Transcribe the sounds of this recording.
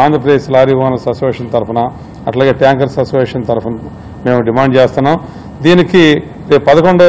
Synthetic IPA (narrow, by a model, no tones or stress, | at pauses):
aːnd̪ɾɐpɾɐd̪eːʃlaːɾjiʋaːnɐsɐsʋeːʂɐnt̪ɐɾupɐnɐ | ɐ̰ʈlaːɡeːʈjaːŋkɐɾsɐt͡ʃʋeːʂɐnt̪ɐɾupɐnɐ | meːmɖimaːɳɖt͡ʃeːst̪unːaːm | d̪iːniki | pɐd̪ɐkoɳɖo